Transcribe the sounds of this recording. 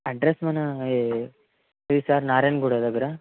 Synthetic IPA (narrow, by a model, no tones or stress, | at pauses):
ɐɖɾesmɐnɐe | ʋisaːɾnaːɾɐnɡuɽɐd̪ɐɡɐɾa